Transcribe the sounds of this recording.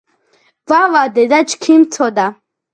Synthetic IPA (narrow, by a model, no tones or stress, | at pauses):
vavad̪ɛd̪at͡ʃkʰimt̪ʰɔd̪a